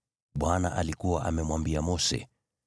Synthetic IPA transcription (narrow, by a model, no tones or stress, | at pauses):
ɓwanaʔalikuwaʔamɛmwambiamɔsɛ̰